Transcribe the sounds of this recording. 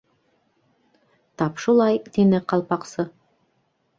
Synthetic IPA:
t̪ɑpʃulˠɑjt̪inɘqɑlˠpɑqsɤ

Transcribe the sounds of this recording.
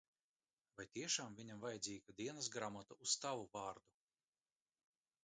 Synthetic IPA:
vajt̪iɛʃaːmvʲiɲamvajɛd̪ziːɡad̪iɛnɐsɡɾamat̪aust̪avuvɑːɾd̪u

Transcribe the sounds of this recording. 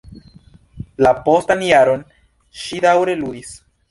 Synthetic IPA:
lapo̞stanjaɾo̞n | ʃidawɾe̞ludis

